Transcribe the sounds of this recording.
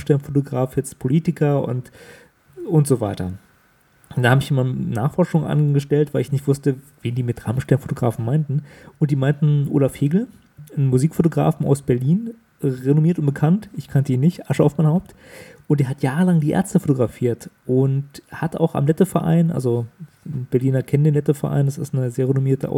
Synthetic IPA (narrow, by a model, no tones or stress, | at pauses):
ʃtɛɐnfotoɡʁaːfjɛt͡stpʰoliːtɪkʰɐʔʊ̰nt | ʔʊntz̥ovaɪtɐ̰ | d̥anhaːbəɪçʔiːmana̰ːχfɔɐʃʊŋʔa̰nɡəʃtɛltv̥aɪlɪçnɪçtv̥ʊstə | v̥eːndiːmɪtʁa̰mʃtɛɐnfotoɡʁa̰ːfn̩maɪntn̩ʔʊntd̥iːmaɪntn̩ʔo̰ːlafheːɡl̩ | n̩muziːkfotoɡʁa̰ːfn̩a̰ʊsb̥ɛɐliːn | ʁenomiːɐtʊntb̥əkʰantʔɪçkʰantəiːnɪçtʔaʃəaʊfmaɪnhaʊp̚t | ʔʊntd̥eɛɐɦatjaːʁəlaŋdiːʔɛ̰ːɐt͡stəfotoɡʁafiːɐtʔʊnthata̰ʊxa̰mlɛtəfɛɐʔa̰ɪnʔa̰lzo | b̥ɛɐliːnɐkʰɛnndeːnlɛtəfɛɐʔa̰ɪndasɪstnəzeːɐʁenomiːɐtəʔa̰ʊ